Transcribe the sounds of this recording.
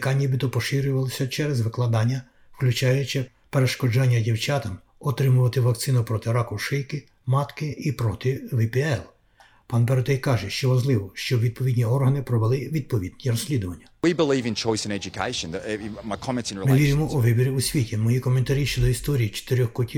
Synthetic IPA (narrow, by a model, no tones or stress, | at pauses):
kɑnʲːiʋʲid̪ɔpɔʃɪɾʲʊʋɐlˠɪsʲɐt͡ʃɛɾɛzʋɪklˠɐd̪ɑnʲːɐ | wklʲut͡ʃɑjʊt͡ʃɪ | peɾeʃkɔd͡ʒɑnʲːɐdʲiwt͡ʃɑt̪ɐm | ɔt̪ɾɪmʊʋɐt̪ɪʋɐk̚t̪sɪnʊpɾɔt̪ɪɾɑkɔʃɪjkɪ | mɑt̪kɪʔipɾɔt̪ɪʋɪpʲɛɛlˠ | pɑnpeɾɔt̪ɛjkɑʒɛʃt͡ʃɔʋɐʒlˠɪʋɔʃt͡ʃɔʋʲid̪̚pɔʋʲid̪ʲnʲiɔrɦɐnɪpɾɔʋelˠɪʋʲid̪̚pɔʋʲid̪̚ʲnʲiɾɔsʲlʲid̪ʊʋɐnʲːɐwibɪlivɪ̃nt͡ʃʰɔɪsɨ̃nɛd͡ʒɨkʰḛɪʃɨ̃nmaɪkʰɑmɛ̃ntsnɹmɪʋʲiɾʲɪmɔʔɔʋɪbʲiɾʲiusʲʋʲitʲimɔjikɔment̪ɐɾʲiʃt͡ʃɛd̪ɔist̪ɔɾʲiːt͡ʃe̥t̪ɪɾʲɔxkɔtʲi